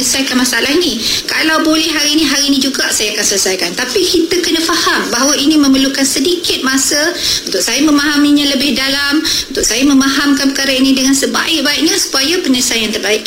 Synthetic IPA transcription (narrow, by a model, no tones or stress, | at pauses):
ɲəsajkanmasaalaɦinĩkalawbolɛhɦaɾiːnĩɦaɾinĩd͡ʒuɡasajaakansəlsajkant̪apikit̪əkənəfahambaɦawaʔinĩmə̃məlukansədikɪt̪̚masəunt̪ʊk̚sajamə̃maɦamiɲãləbɪhdalamunt̪ʊk̚sajamə̃maɦamkanpəkaɾainĩdəŋansəba̰ɪk̚baiʔ̚ɲasu̥pajapəɲəsajant̪ərbaɪk̚